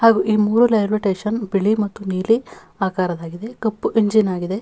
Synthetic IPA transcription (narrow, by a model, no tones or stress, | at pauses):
haːɡuʔiːmuːɾulɐjɾʋiʈeːʃɐnbiɭimɐt̪ːuniːli | aːkaːɾɐd̪aːɡid̪e̞kɐpːuʔiɲd͡ʒinaːɡid̪e̞